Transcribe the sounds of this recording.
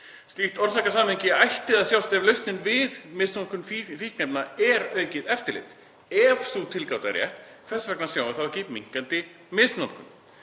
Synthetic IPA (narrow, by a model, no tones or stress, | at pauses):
st̪liht̪ɔɾ̥sahkasaːmɪɲcɪajht̪ɪðaðsjawst̪ɛvlœɥst̪nɪnvɪðmɪst̪nankʏnffihknɛpnaɛɾœːɥcɪðɛft̪ɪɾlɪ̰ht̪ | ɛvsut̪ʰɪlkawt̪a̰ɾjɛ̰ht̪ | kʰvɛsvɛknḁsjawvaθawcɪmiŋ̥kant̪ɪ | mɪst̪nan̥kʏm